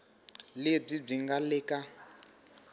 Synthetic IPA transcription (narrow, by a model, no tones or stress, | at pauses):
leb͡ʐib͡ʐiŋɡalɛːka